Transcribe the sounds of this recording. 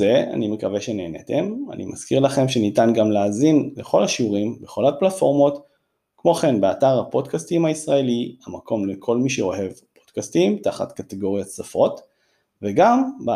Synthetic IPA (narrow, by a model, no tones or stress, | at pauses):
ea̰nimekave̞ʃe̞neːnet̪ema̰nʔḭmʔa̰skiʁlaχe̞mʃe̞nitanɡamleaːzinle̞χo̞lhaʃiuʁimbeχo̞lhaplatfo̞ʁmo̞t̪ | kmo̞χe̞nbeataʁhapo̞dkastimhaisʁae̞lihamakʰo̞mlekʰo̞lmiʃeo̞he̞vpod̥kastimtaχa̰t̪kateɡo̞ʁjatsafo̞t̪ | veɡamba